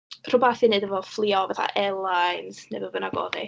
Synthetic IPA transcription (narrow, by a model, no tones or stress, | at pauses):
r̥ʊbaθinɨdəvɔflˠiɔvaθa̰ʔɛlˠajnsnḛbɔvənaɡɔ̰ːði